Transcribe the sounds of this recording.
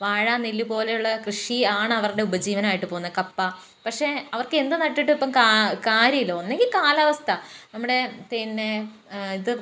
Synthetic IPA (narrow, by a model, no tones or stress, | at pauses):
ʋaːɻaːnːilːupo̞ːle̞juɭːɐkrɨʂiaːɳɨɐʋɐruɽe̞ubɐd͡ʑiːʋɐnɐmaːjiʈːɨpoːunːɐkɐpːɐ | pɐkʂe̞ɐʋɐrkɨe̞nd̪ɨnɐʈːiʈːɨipːɐmkakaːɾjɐmilːoonːe̞ŋɡilkaːlɐʋɐst̪ʰɐnɐmːuɽe̞t̪inːeiðɨ